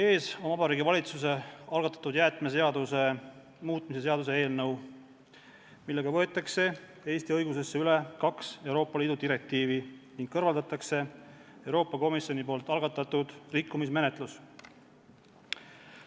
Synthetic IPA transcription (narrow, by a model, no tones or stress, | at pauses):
e̞ːso̞nvɑbɑɾiːɡivɑlʲit̪suse̞ɑlɡɑt̪ːˑɑ̥t̪ud̪̥jæːt̪meseɑd̪use̞ | muːt̪ˑmise̞se̞ɑd̪̥us̬e̞e̞ːlnɤw | milːe̞ɡɑvɤ̞et̪ːˑɑkse̞ | e̞ːst̪iɤjɡuse̞sːeyle̞kɑkse̞wɾo̞ːpːˑɑliːd̪̥ud̪iɾe̞k̚t̪iːviniŋɡ̥̚kːɤrvɑld̪ɑt̪ːˑɑkse̞ewɾo̞ːpːˑɑko̞misjo̞nipo̞ːlt̪ːˑɑlɡ̥ɑt̪ːˑɑt̪ːud̪̥rikːumisme̞net̪ˑlus